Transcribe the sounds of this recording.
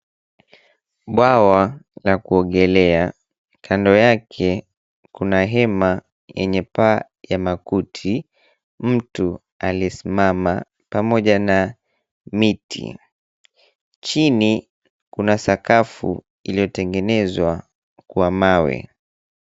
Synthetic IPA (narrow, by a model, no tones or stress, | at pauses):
ɓwawalakuɔɡɛlɛa | kʰandɔjakʰɛ | kunaɦɛma | jɛ̰ɲɛpaː | jamakutʰi | m̩tu | aliɛsimama | pamɔʄana | mitʰḭ | t͡ʃini | kunasakafṵ | ilijɔtɛŋɡɛnɛzwa | kuamawɛ̰